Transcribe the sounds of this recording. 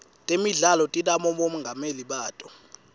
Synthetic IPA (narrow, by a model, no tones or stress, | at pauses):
tʼemiɮalɔtʼitʼamɔmom̩ŋɡʱameliɓaːtʼɔ